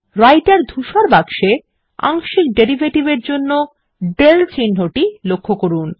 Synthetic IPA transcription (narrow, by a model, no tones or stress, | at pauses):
ɾajʈaɾd̪ʱuʃaɾbaɡʃe | a̰ŋʃik̚ɖeɾibʱeʈibeɾd͡ʑonːo | ɖelt͡ɕinɦoʈilokʰːokoɾun